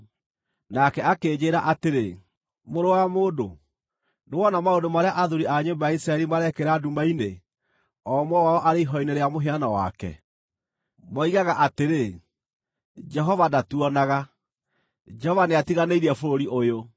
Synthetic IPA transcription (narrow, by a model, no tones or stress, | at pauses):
nakɛakeːd͡ʑeːɾaʔateɾe | moɾowamoːdo | newɔnamaondomaɾeaʔaðuɾiaɲombajaisɾaɛɾimaɾɛkeɾadumaine | ɔmwɔwaɔʔaɾeiɦɔineɾeamoɦeanawa̰kɛ̰ | mɔiɣaɣaʔateɾe | d͡ʒɛɦɔvadatuɔnaɣa | d͡ʒɛhɔvaneatiɣaneiɾɛfoɾoɾiʔojo